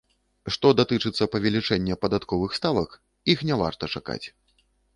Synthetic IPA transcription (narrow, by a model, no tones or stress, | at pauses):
ʂt̪ɔd̪at̪ɨt͡ʂɨt̪sːɐpɐvʲɛlʲit͡ʂɛnʲːɛpɐd̪at̪kɔvɨxst̪avɐk | ixnʲava̰rt̪ɐt͡ʂaka̰t͡sʲ